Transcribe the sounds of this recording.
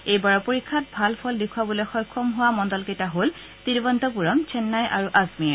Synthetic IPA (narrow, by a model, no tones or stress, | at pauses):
ejbaɹɔpoɹikʰːat̚bʱalpʰɔldikʰuwabɔlɔxɔjkʰɔmɦʊwamɔndɔlketaɦol | tiɹbɔntɔpuɹɔmt͡ʃʰɛnːajʔaɹuʔazmiɛ